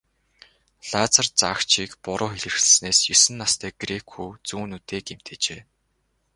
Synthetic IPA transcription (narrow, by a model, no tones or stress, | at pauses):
ɮ̥at͡sart͡sakt͡ɕʰiːkpʊɾʊːxeɮɘ̆rxɮ̆sneːsjɵsɘ̆nːast̪ʰæːɡ̥rekʰuːt͡suːnut̪eːkem̥t̪eːt͡ɕeː